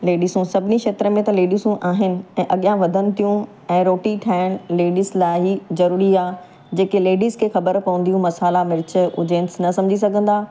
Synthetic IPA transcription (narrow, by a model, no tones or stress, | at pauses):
leːɖiːsũsɐbʱɪnikʃeːt̪ɾəmẽt̪ɐleːɖiːsũʔaːɦɪnɪ̆ɛ̃ːʔɐɠijãʋɐd̪ʱənɪ̆t̪ijũ | ɛ̃ːɾoːʈiʈʰaːɪɽ̃leːɖiːslaːɦizɐɾuːɾiaː | d͡ʑeːkeleːɖiːskʰeːxɐbəɾpɐʋə̃nd̪ijũmɐsaːlamɪɾɪt͡ɕ̆ʊd͡ʑẽːnsnɐsɐ̃md͡ʑʱis̬ɐɡʱə̃nd̪aː